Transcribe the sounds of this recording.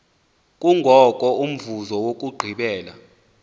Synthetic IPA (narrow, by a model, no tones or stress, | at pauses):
kʼuŋʱɔkʼɔum̩vuzɔwok̬ʼuɡ͡ǃʱiɓɛːla̰